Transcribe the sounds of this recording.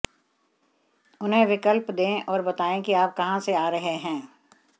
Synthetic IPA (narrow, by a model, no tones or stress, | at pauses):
ʊnɦẽʋɪkəlpd̪ẽʔɔːɾbɐt̪aːẽkiaːp̚kɐɦãseaːɾɐɦeɦɛ̃ː